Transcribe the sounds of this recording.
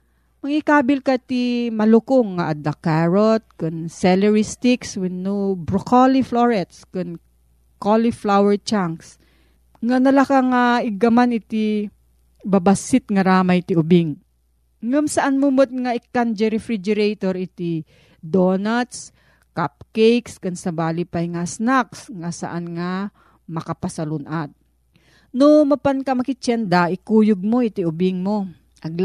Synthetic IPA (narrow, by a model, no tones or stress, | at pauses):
mɐŋikaːbɪlkɐt̪imɐlʊkoŋːaʔad̪ɐkaɹot̪̚kʊnsɛlɛɹist̪ɪkswɪnnobɾokolifloɹɛt̪skʊn | koliflawɛɹt͡ʃaŋks | ŋanɐlakaŋaɪɡɐmanɪt̪i | bɐbasɪt̪̚ŋɐɾaːmɐjt̪iʔʊbɪŋ | ŋamsɐʔanmʊmot̪̚ŋaɪkːand͡ʒɛɾɛfɾɪd͡ʒɛɾɛjt̪oɾɪt̪ɪ | d̪onat̪s | kap̚kɛjkskɐnsɐbaːlɪpajŋasnaksŋasɐ̰ʔanŋa | mɐkapɐsɐlʊnʔat̪̚ | nomɐpankɐmɐkɪt͡ʃɛnd̪aʔɪkuːjʊɡ̚moɪt̪ɪʊbɪŋmo | ʔɐɡ